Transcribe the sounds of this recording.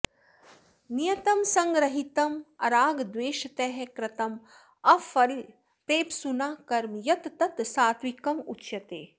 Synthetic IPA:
nijɐt̪ɐmsɐŋɡɾɐɦit̪ɐmɐɾaːɡd̪ʋeːʃɐt̪ɛɦekɾɐt̪ɐm | ɐfɐɾ | pɾeːpsunaːkɐɾmjɐt̪t̪ɐt̪saːt̪ʋikɐmutːʃɐt̪eː

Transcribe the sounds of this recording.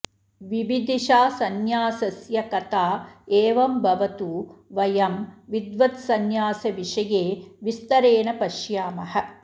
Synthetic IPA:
ʋiʋid̪ʱiʃaːsɐnjaːsɐsjɐkɐt̪aːeːʋɐmbʱɐʋɐt̪uʋɐjɐmʋid̪ʋɐt̪sɐnjaːsɐʋiʂɐjeːʋist̪ɐɾeːɳɐpɐʃjaːmɐɦɐ̆

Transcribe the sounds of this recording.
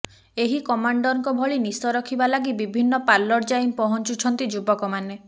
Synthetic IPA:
eɦikɔmaɳɖɔɾɔŋkɔbʱɔɭinisɔɾɔkʰibalaɡibibʱinːɔpaɾlːɔɽd͡ʒajmpɔɦɔnt͡ʃut͡ʃʰɔnt̪id͡ʒubɔkɔmane

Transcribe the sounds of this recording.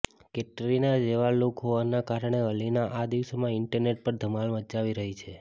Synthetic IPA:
keʈɾinad͡ʒeʋalokɦoʋanakaɾəɳ̃eʋəlinaʔad̪iʋsomãɪɳʈəɾneʈ̚pəɾd̪ʱəmalmət͡ʃaʋiɾəɦit͡ʃʰe

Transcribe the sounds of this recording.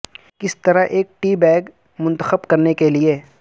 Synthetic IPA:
kɪst̪ɐɾaʔeːk̚ʈiːbɛːɡ | mʊ̃nt̪əxəbkɐɾnekelie

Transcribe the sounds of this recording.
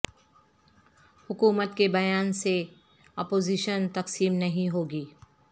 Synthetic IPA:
hʊkuːmət̪kebɐjaːnse | ɔːpoːziːʃənt̪ɐqsiːmnɐɦĩɦoːɡiː

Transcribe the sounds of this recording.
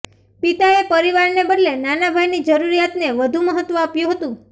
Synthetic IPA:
pit̪aepəɾiʋaɾnebəɖlenanabʱajnid͡ʒəɾuɾijat̪neʋəd̪ʱũməɦət̪ːʋəapjũɦət̪ũ

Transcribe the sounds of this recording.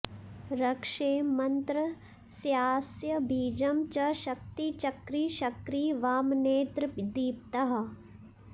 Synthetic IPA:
ɾɐkʂeːmɐnt̪ɾɐ | sjaːsjɐbʱiːd͡ʒɐmt͡ʃɐʃɐk̚t̪it͡ʃɐkɾiːʃɐkɾiːʋaːmneːt̪ɾd̪iːp̚t̪ɐɦɐ̆

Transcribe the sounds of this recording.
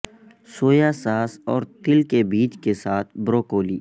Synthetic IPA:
soːjasaːsɔːɾt̪ɪlkebiːt͡ʃkesaːt̪ʰbɾoːkoːliː

